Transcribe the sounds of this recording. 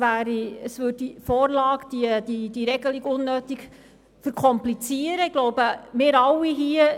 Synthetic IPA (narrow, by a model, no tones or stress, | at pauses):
ʋæːɾiəsʋʉd̚difɔːɾlɑːɡd̥iəd̥id̥iɾɛɡəliɡʊnːøːtiɡ | fəɾkʰɔmplit͡siəɾəɪɡ̥lowbəmɪːɾɑwːiɦiə